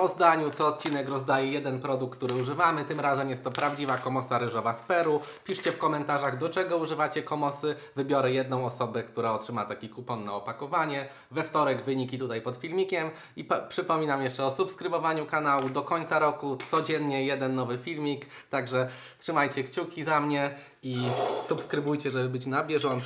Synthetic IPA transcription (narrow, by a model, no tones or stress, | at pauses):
ɔzd̪aɲut̪sɔːt̪̚t͡ɕinɛkɾɔzd̪ajɛjɛd̪ɛnpɾɔd̪ukːt̪uɾɘuʐɘvamɘt̪ɘmɾazɛmjɛst̪ːɔpɾavd͡ʑivakɔmɔsaɾɘʐɔvaspɛɾupʲiʂt͡ɕɛfkɔmɛnt̪aʐaɣd̪ɔt͡ʂɛɡɔuʐɘvat͡ɕɛkɔmɔsɘvɘbʲjɔɾɛjɛd̪̚nɔ̃w̃ɔsɔbɛkt̪uɾaɔtʂɘmat̪akʲikupɔnːaɔpakɔvaɲɛ | vɛft̪ɔɾɛɡvɘɲikʲit̪ut̪ajpɔt̪fʲilmʲikʲɛm | ippʂɘpɔmʲinamjɛʂt͡ʂɛɔsupskɾɘbɔvaɲukanawud̪ɔkɔɲt̪saɾɔkut̪sɔd͡ʑɛnɲɛjɛd̪ɛnːɔvɘfʲilmʲik | t̪aɡʐɛ | tʂɘmajt͡ɕɛkt͡ɕukʲizamɲɛ | isupskɾɘbujt͡ɕɛʐɛbɘbɘt͡ɕnabʲjɛʐɔn